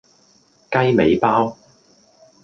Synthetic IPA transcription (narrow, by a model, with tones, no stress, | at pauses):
kɐ˥jme˨˧jpaː˥w